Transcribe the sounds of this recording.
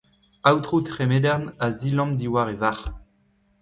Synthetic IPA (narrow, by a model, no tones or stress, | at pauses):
awt̪χut̪χemed̪ɛʁnazilɑ̃md̪iwaʁevaʁ